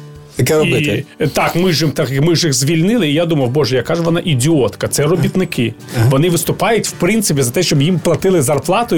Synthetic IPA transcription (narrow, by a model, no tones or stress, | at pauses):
jɐkɛɾɔbɪɛt̪ɑkmɪʒɪmt̪ɑkmɪʒɪxzʲʋʲilʲnɪlˠɪijad̪umɐwbɔʒɛjɐkɑʒʋɔnɑʔidʲiɔt̪kɐt̪sɛrɔbʲit̪nɪkʰɪ | ʋɔnɪʋɪst̪ʊpɑjʊtʲw̥pɾɪnt̪sɪpʲizɐt̪ɛʃt͡ʃɔbjimplˠɐt̪ɪlˠɪzɐrplˠɑt̪ʊ